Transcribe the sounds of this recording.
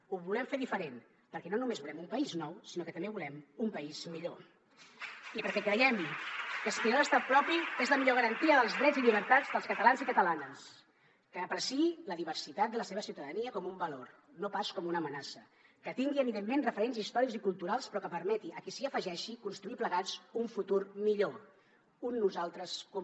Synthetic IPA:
uβulɛmfeðifəɾen | pəɾkɛnonumezβulɛmumpəiznɔwsinokət̪əmbeβulɛmumpəizmiʎo | ipəɾkɛkɾəjɛmkəsit̪inoəst̪apɾɔpiezləmiʎoɣ̞əɾənt̪iəðəlˠzðɾɛd͡zziʎiβ̞əɾt̪ad͡zðəlˠskət̪əlanzikət̪əlanəs | kəːpɾəsiiləðiβərsit̪at̪̚d̪ələseβəsiwt̪əðəniəkɔmumbəlor | nopaskɔmunəmənasə | kət̪iŋɡiəβiðemːenrəfəɾenzist̪ɔɾikzikulˠt̪uɾalˠspɾɔkəpəɾmɛt̪iʔəkisiəfəʒɛʃikunst̪ɾuipləɣat͡suɱfut̪urmiʎo | unːuzalˠt̪ɾəskɔm

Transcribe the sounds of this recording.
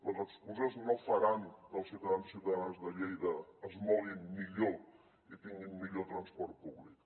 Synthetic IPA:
ləzəkskuzəznofəɾand̪əlˠsiwt̪əðanzisiwt̪əðanzðəʎejðəːzmɔlinmiʎo | it̪iŋɡinmiʎot̪ɾənspɔɾt̪̚puβlik

